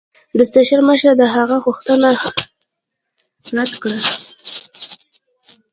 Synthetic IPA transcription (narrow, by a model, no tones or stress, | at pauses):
d̪əst̪aʃəɾməʃəɾd̪əɦaɣaɣuxt̪əna | ɾat̪kɽa